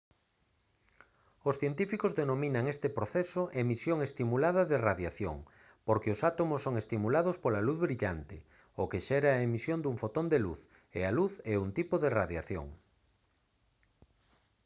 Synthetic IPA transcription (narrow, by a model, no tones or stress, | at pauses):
osθjent̪ifikozðenomĩnaŋɛst̪ɪpɾoθɛsoʔemisjoŋest̪imulaðɐðeraðjaθjo̰ŋ | poɾkeosat̪omosːoŋest̪imulaðʊspolaluθβɾiʎant̪ɪ | okeʃɛɾaemisjond̪uɱfot̪ond̪eluθ | ḛaluθɛunt̪ipoðeraðjaθjo̰ŋ